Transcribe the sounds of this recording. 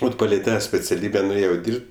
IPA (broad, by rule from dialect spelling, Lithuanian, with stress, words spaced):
ˈʋɐt pɐˈlʲɛɪ ˈtɑː sʲpʲɛt͡sʲɛˈlʲiːbʲɛ nʊˈeːjɛʊ ˈdʲiːrʲpʲtʲ